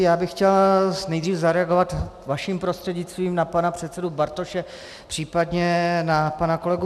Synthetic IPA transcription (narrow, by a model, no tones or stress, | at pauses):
jaːbɪxcɛlsnɛjd̪riːfzaɾɛaɡovat̪vaʃimpɾost̪r̥ɛɟɲɪt͡st̪viːmnapanapr̝̥ɛt̪t͡sɛdubaɾt̪oʃɛ | pr̥iːpadɲɛnapanako̞lɛɡu